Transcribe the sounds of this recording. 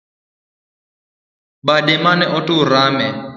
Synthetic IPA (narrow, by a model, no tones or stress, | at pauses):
badɛmanɛʔɔtʼʊɾaːmɛ